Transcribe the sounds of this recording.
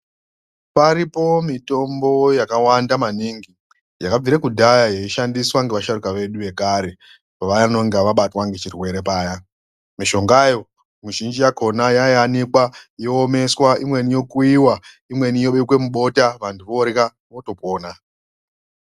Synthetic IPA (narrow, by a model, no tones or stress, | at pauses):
paɾipo̞mito̞mbo̞jakawandamaniŋɡi | jakab͡viɾekudʱajaje̞iʃandiswaŋɡe̞ʋaʃaɾukaʋe̞ɗuʋe̞kaɾe̞ | paʋajano̞ŋɡeaʋaɓatwaŋɡe̞t͡ʃirwe̞ɾe̞paːja | miʃo̞ŋɡajo̞ | muʒind͡ʒijako̞najaianikwajoːme̞swaʔimwe̞nijo̞kuiwa | imwe̞nijo̞ɓekwe̞muɓo̞taʋantʰuʋo̞ɾeka | ʋo̞to̞po̞ːna